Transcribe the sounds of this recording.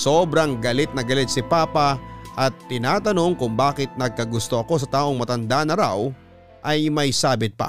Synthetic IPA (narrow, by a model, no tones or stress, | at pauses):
so̞ːbɾɐŋɡɐlɪt̪̚nɐɡɐlɪt̪̚sɪpaːpɐʔɐt̪ːɪnaːt̪ɐno̞ŋkʊŋbaːkɪt̪̚nɐɡ̚kɐɡʊst̪o̞ʔɐko̞s̬ɐt̪aːʔo̞ŋmɐt̪ɐnd̪anɐɾaw | ʔɐjmɐjsaːbɪt̪̚pa̰